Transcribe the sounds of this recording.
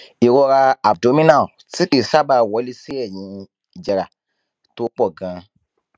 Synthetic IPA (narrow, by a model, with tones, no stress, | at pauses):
i˨ɾɔ˧ɾa˧a˨b̚do˨˦mĩ˦nã˦˨ti˦ki˦˨sa˦ba˧˨wɔ˨˦li˦si˦ɛ˦˨jĩ˨˦˨ | d͡ʒɛ˨ɾa˨ | to˦k͡pɔ˦˨ɡã˧